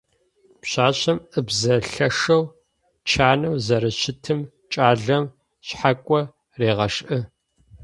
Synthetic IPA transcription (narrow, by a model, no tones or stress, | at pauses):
pɕaːɕɐmɨbzɐɬɐʂɐw | t͡ʃʰaːnɐwzɐɾɨʃɪtʰɨm | t͡ʃʼaːɮɐm | ɕħakʷʼɔ | reːʁɐʂʔɨ